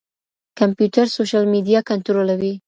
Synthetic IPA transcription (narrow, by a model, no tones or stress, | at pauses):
kampjuʈ̪aɾsoʃalmid̪ijɑkant̪oɾolawi